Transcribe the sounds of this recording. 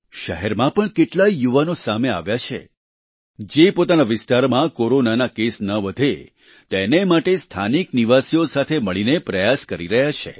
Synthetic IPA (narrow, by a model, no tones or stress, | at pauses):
ʃəɦɛɾmãpəɳkeʈlaijuʋanosamea̰ʋjat͡ʃʰḛ | d͡ʒepot̪anaʋɪst̪aɾmãkoɾonanakesnəʋəd̪ʱe | t̪enemaʈest̪ʰa̰nikniʋasijosat̪ʰeməɭinepɾəjaskəɾiɾəɦjat͡ʃʰḛ